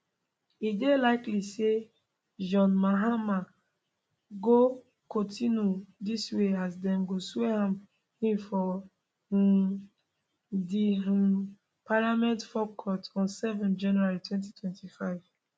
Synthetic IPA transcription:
idelaɪklise | d͡ʒɔ̃nmaɦama | ɡo | kɔ̃ntĩnudisweazdɛ̃nɡoswehãm | hĩmfɔ | di | palamɛ̃ntfɔkʰɔtɔ̃nsɛvɛ̃nd͡ʒãnuaɹitwɛ̃nt̬itʰwɛ̃ntifaɪv̥

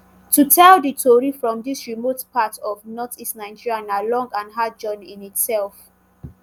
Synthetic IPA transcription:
tutʰɛlditʰoɹifɹɔ̃mdisɹimotpʰatɔvnɔtistnaɪd͡ʒiɹiãnalɔ̃ŋɡãnɦad͡ʒɔ̃nĩnitsɛlf

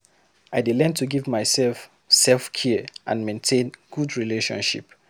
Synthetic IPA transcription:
aɪdelɛ̃ntʰuɡivmaɪsɛlf | sɛlfkʰiʔã̰nmẽntʰẽnɡ̥udɹileʃɔ̰̃nʃḭp

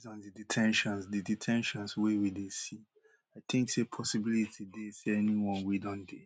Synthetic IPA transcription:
zɔ̃ndɨditʰɛ̃nʃɔ̃nsdiditʰɛ̃nʃɔ̃nswewidesi | aɪθʰɪ̃ŋksepʰɔsibilitʰideseɛniwɔ̃nwidɔ̃nde

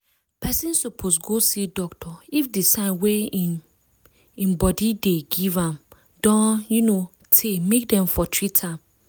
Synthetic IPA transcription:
pʰɛsĩnsupʰosɡosidɔktʰɔifdisãɪnwe | ĩmbɔdideɡivãm | dɔ̃njuno | tʰemek̚dɛ̃mfɔtʰɹitʰãm

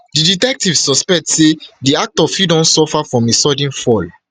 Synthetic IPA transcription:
diditɛk̚tivsɔspɛk̚tsediak̚tɔfidɔ̃nsɔfafɹɔ̃mesɔdĩnfɔl

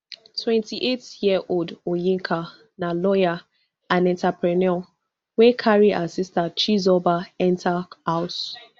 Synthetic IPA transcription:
twɛ̃ntiʔetjiaʔoldojĩŋ̩kʰa | nalɔja | anɛ̃ntapɾɛnɔ | wekʰaɾia̰sɪstat͡ʃizɔbaɛntʰahaʊs

